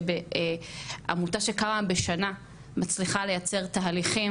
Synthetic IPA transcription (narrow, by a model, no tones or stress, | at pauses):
be | a̰mutaʃekamabe̞ʃana | mat͡sliχale̞jat͡se̞ʁt̪aaliχi